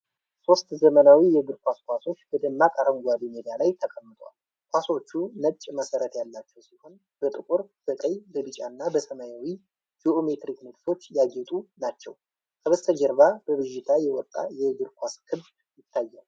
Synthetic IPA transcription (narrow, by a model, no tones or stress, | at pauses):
so̞st̪zəmənawijɛɡɨɾkʷaskʷaso̞t͡ʃːbəd̪əmːakʼaɾəŋɡʷad̪imed̪ijalajt̪ʰəkʼəmːɨt̪ʼəwa̰l | kʷaso̞t͡ʃːunət͡ʃʼːməsəɾət̪jalːat͡ʃːɛwsiho̞n | b̥ət̪ʼɨkʼuɾb̥ət̪ʼəjbəbɨt͡ʃʼanːabəsəmajawi | d͡ʒiome̞t̪ɾiknɨɡso̞t͡ʃːjaɡɛt̪ʼunat͡ʃːɛ̰w | kʰəβəst̪ʰəd͡ʒəɾβab̥əβɨʒɪt̪ʰajɛwɔt̪ʼːa̰jɛɡɨɾkʰʷaskʰɨβ | jɪt̪ʰːajːal